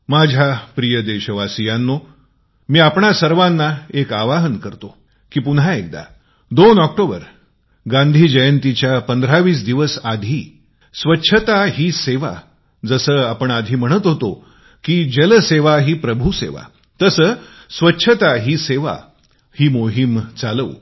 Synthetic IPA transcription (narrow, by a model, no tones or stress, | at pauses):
mad͡ʑʱapɾijəd̪eɕəʋasijãnːo | miːapɳasəɾʋãnːaekaʋaɦənkəɾt̪o | kiːpunɦaek̚d̪a̰ | d̪onɔk̚ʈobəɾ | ɡãnd̪ʱiːd͡ʑəjənt̪it͡ɕjapənd̪ʱɾaʋiːsd̪iʋəsad̪ʱiː | sʋətːɕʰət̪aɦiːseʋa̰ | d͡zəsəːapəɳad̪ʱiːm̤əɽ̃ət̪ɦot̪o | kiːd͡ʑələseʋaɦiːpɾəbʱusḛʋa̰ | t̪əsəː | sʋətːɕʰət̪aɦiːseʋa̰ | hiːmoɦimt͡saləʋ